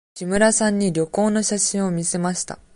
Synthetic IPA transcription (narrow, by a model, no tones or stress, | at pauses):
ɕimɯ̟ɾasãɲ̟ːiɾʲjo̞ko̞ːno̞ɕaɕĩɰ̃o̞mʲise̞maɕi̥t̪a̰